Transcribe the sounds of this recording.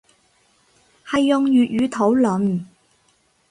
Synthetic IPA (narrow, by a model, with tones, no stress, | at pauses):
hɐ˨jːʊ˨ŋjyː˨t̚jyː˨˧t̪ʰo˨˥wlɵ˨n